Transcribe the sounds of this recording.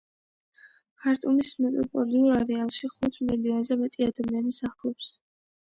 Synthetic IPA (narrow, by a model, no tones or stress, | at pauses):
aɾt̪ʼumismɛt̪ʼɔpʼɔliuɾaɾɛalˠʃiχut̪ʰmlilianzɛmɛt̪ʼiad̪amianisaχlˠɛps